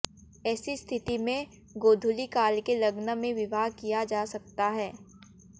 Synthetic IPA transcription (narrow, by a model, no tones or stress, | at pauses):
ɛːsist̪ʰɪt̪imẽ | ɡoːd̪ʱʊlikaːlkelɐɡnəmẽʋɪbaːɦkijad͡ʒaːsɐk̚t̪aɦɛː